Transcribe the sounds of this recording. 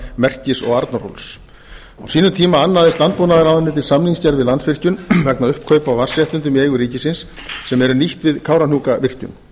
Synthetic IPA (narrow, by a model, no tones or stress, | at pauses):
mɛr̥cɪsɔ̰ɣaɾt̪naɾo̰ls | a̰wsiːnʏmt̪ʰiːmaanːaðɪst̪lant̪̚poːnaðɪɾawðanːɪːt̪̬ɪsamliŋscaɾðvɪðlansfvɪr̥cʏnvɛknaʏhpkʰœːɥpawvar̥sɛht̪ʏnt̪ʏmiejɣʏɾiːcɪsɪnsː | ɛmɛɾʏniht̪vɪðkʰaːwɾanuːkavɪr̥cʏ̰ŋ